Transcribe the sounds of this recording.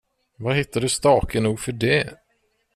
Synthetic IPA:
vaɦɪt̪ːadɵst̪ɑːkʰənuːɡfœɖɛ

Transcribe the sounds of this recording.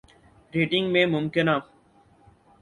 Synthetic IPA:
ɾeːʈɪŋɡmẽːmʊmkɪnaː

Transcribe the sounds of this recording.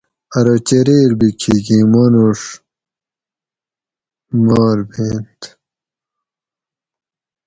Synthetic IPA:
ɐɾot͡ɕeɾeːɾbikʰiɡimonoʂ | maːɾbeːnt̪

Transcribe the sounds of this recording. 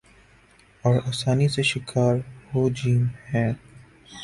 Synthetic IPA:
ɔːɾaːsaːniseʃɪkʰaːɾɦoːd͡ʒiːmhɛ̃ː

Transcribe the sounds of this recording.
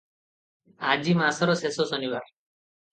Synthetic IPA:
ad͡ʑimasɔɾɔsesosɔnibaɾ

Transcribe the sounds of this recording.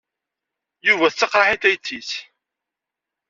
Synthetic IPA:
juvæθt͡sːəqɾˤɑħiθæjθːiθ

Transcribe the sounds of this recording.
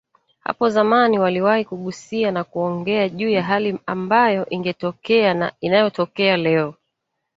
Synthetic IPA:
ha̰pɔzamaniwaliwahikuɠusianakuɔŋɡɛaʄuːjaɦaliambajɔʔiŋɡɛtɔkɛanainajɔtɔkɛalɛɔ

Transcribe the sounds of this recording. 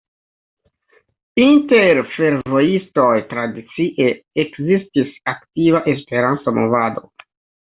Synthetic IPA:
inte̞ɾfe̞ɾvo̞isto̞jtɾadit͡siʔeekzistisaktivaʔe̞spe̞ɾant͡somo̞vado̞̰

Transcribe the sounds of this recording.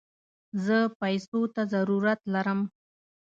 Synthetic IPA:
zəpajsot̪azaɾuɾat̪laɾəm

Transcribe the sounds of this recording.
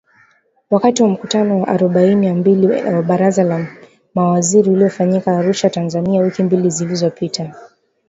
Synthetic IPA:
wakatiwam̩kutanɔwaʔaɾɔɓainiwambiliwaɓaɾazala | mawaziɾiuliɔfaɲikaːɾuʃatanzaniawikimbilizilizɔpitʰa

